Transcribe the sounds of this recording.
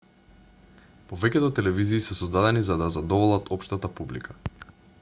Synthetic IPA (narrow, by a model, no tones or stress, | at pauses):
povɛcʲɛd̪ɔt̪ɛlɛviziːsɛsɔzd̪ad̪ɛnizad̪azad̪ɔvɔlˠat̪ʰɔpʃt̪at̪apublḭkʰa